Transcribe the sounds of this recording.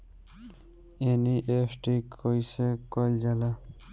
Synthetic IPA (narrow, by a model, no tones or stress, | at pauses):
eniʔesʈikʰojsekɔld͡ʒala